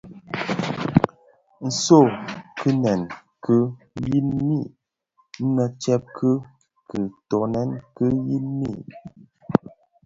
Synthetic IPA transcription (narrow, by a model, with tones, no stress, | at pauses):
n̩˨so˦˨kɨ˦nɛ˨n | kə˦ | ji˦nmi˦˨ | n̩˦nə˨t͡ʃɛ˦p̚kʰə˦ | kɨ˨tɔ˨nɛ˦nkɨ˦ji˦nmḭ˦˨